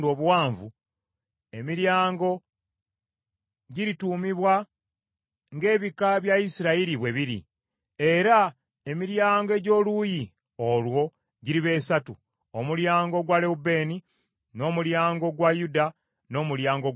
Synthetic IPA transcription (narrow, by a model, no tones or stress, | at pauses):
do̞ːβuwaːɱvu | e̞miɾjaːŋɡo̞ | ɟiɾituːmiβwa | ŋɡe̞ːβikaβjaisiɾaiɾiβwe̞βiɾḭ | e̞ɾa | e̞miɾjaːŋɡoe̞ɟo̞ːluːji | olwo̞ | ɟiɾiβe̞satu | omuljaːŋɡo̞ɡwale̞ube̞ːni | no̞ːmuljaːŋɡo̞ɡwajuda | no̞ːmuljaːŋɡo